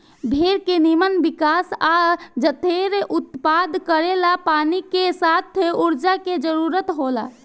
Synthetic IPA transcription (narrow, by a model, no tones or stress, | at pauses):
bʱeɾkenimənbikasad͡ʒət̪eɾeʔut̪pad̪kəɾelapanikesat̪ʰuɾd͡ʒaked͡ʒəɾuɾət̪ɦola̰